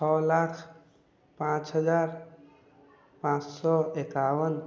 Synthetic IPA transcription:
t͡ʃʰɔlakʰ | pãt͡ʃɦəd͡ʒaɾ | pãt͡ʃsɔekawən

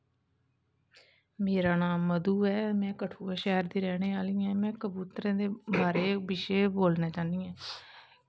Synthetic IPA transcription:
meːɾaːnaːmːəd̪uːɛːmɛ̃ːkəʈʰuːɛːʃɛːɾd̪iːɾɛːɽ̃eːaːlĩːɛ̃ːmɛ̃ːkəbuːt̪ɾẽːd̪eːbaːɾeːbɪʃeːboːlneːt͡ʃãːniːɛ̃ː

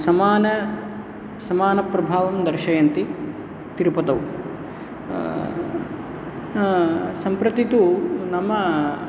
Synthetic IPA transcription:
sɐmaːnɐ | sɐmaːnɐpɾɐbʱaːʋɐmd̪ɐɾʃɐjɐnt̪i | t̪iɾpɐt̪ɐw | sɐmpɾɐt̪it̪unɐmɐ

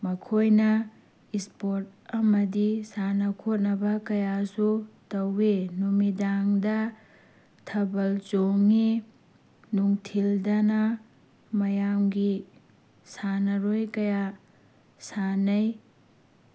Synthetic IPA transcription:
mɐkʰojnɐ | ispoɾt̚ɐmɐdisanɐkʰot̚nɐbɐkɐjasutɐwenumidaŋdɐ | tʰɐbɐlt͡ʃoŋi | nuŋtʰildɐnɐ | mɐjamɡi | sanɐɾojkɐja | sanɐj

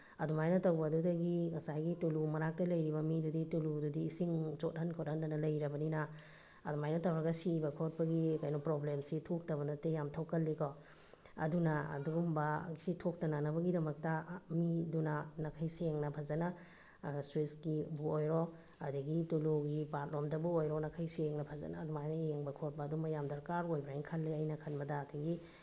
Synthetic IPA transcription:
ɐdumajnɔtawbɐdudɐɡiŋɐsajɡitulumɐɾak̚tɐlɐjɾibɐmiduditulududiːsiŋt͡ʃot̚hɐnkʰot̚hɐndanɐlɐjɾɐbɐninɐː | dumajnɔtawaɡɐsibɐkʰot̚pɐɡikajnɔpɾoblemsitʰok̚tɐβɐnɐtejamtʰowkɐlːikɔ | ɐdunɐɐ̰duɡumbɐɡsitʰok̚tɐnanɐbɐɡidɐmɐk̚tɐmidunɐnɐkʰɐjseŋnɐpʰɐzɐnɐ | swiskibuojɾo | ɐdiɡituluɡipat̚lomdɐbuojɾɔnɐkʰɐjseŋnɐpʰɐzɐ̰naːdumajnɐjeŋbɐkʰot̚bɐːdumɐjamdɐɾkaɾojbɾajŋkʰɐlːiɐjnɐkʰɐnbɐdɐːtʰiɡi

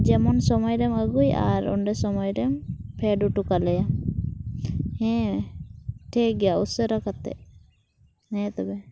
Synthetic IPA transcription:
d͡ʒɛmɔnsɔmɔjɾɛməɡuja̰ɾɔ̰ɳɖɛsɔmɔjɾɛmpʰɛɖuʈukalɛja | hɛ̃ | ʈʰɛɡɛjausəɾakat̪ːɛ̰ | hɛ̃t̪ɔbɛ

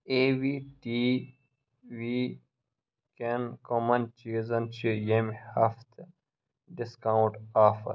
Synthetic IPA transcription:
eːʋiʈiː | ʋiː | kenkomɐ̃nt͡ʃizɐnt͡ʃijemhaft̪ʰ | ɖɪskawʊ̃ɳʈaːfɐ̰ɾ

